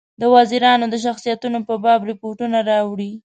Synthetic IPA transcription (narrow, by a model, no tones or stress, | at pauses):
d̪əwɑziɾɑnod̪əʃ̬axsijat̪unopəbɑbɾɪpoʈunaɾɑwɽi